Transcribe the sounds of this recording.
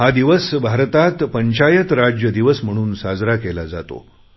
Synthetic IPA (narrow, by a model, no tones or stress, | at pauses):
ɦad̪iʋəsbʱaɾt̪at̪pəɲt͡ɕajət̪ɾad͡ʑjəd̪iʋəsm̤əɽ̃uːnsad͡zɾakelad͡za̰t̪o̰